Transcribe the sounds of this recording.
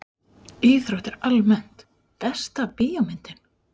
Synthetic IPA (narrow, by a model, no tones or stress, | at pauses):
iːθɾowht̪ɪɾalmɛn̥t̪ | pɛst̪apɪːjamɪnt̪ɪn̥